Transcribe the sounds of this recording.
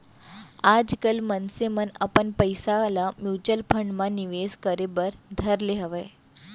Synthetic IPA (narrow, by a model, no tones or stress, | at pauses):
ad͡zkəlmənseməna̰pəɳpəjsalamjut͡ɕəlpʰəɳɖmaniʋeskəɾebəɾd̪ʱəɾleɦəʋəj